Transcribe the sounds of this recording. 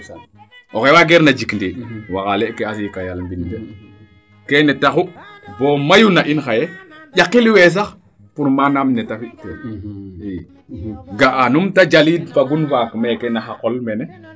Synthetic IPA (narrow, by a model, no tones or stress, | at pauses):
ɔxewaːɡɛɾnad͡ʒikndiwaɣalɛkeas̬ikajalmbinte | kenɛtaxubomajunaʔinxajeʄakːiliwɛs̬ax | puɾmanamnɛtafitɛ | i | ɡaʔanumtad͡ʒalidfaɡunfakmɛkɛnaxakɔlmɛnɛ